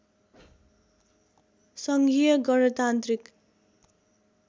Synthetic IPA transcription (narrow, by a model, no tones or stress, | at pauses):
sʌŋɡijʌɡʌnʌt̪ant̪rik